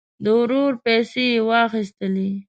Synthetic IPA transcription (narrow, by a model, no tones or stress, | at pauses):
d̪əʊɾoɾpɛsejwɑxis̬t̪əli